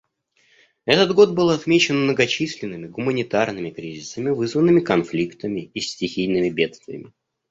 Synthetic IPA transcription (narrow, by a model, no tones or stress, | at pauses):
ɛt̪ət̪ɡo̞t̪̚bɨlˠɐt̪mʲet͡ɕɪnmnəɡɐt͡ɕisʲlʲɪnːɨmʲɪɡʊmənʲɪt̪arnɨmʲɪkɾʲizʲɪsəmʲɪvɨzvənːɨmʲɪkɐnflʲikt̪əmʲɪisʲtʲɪxʲijnɨmʲɪbʲe̞t̪st̪vʲɪjə̰mʲɪ